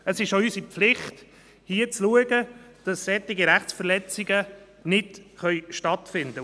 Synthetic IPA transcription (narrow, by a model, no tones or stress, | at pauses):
əsɪʃoysipflɪχt | hiət͡sluəɡə | d̥ɑssɛt̪ːɪɡiɾæχt͡sfəɾlɛt͡sɪɡə | nɪdχœʏʃtɑt̪fɪnd̪ə